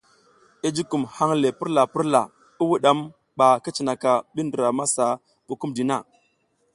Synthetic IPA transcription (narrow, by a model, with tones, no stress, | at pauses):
i˦d͡ʒi˦ku˨mha˦ŋle˨pi˦ɾla˨pi˦ɾla˨ | i˦wu˦ɗa˦m | ɓa˨ki˦t͡ʃi˨na˨ka˨ɓi˦ndə˨ɾa˨ma˦sa˨ | ku˨ku˦mdi˨na˦˨